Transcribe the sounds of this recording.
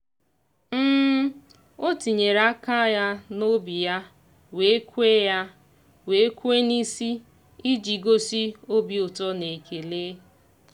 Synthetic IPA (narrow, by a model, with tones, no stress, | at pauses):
m̩ː˦ | o˦ti˨ɲe˨ɾa˦ka˦ja˦no˦bi˨ja˦ | we˨˦e˦kʷe˦ja˦ | we˨˦kʷe˦ni˦si˦ | i˦d͡ʒi˨ɡo˦si˦o˦bi˨o˨tɔ˦ne˨ke˨leː˦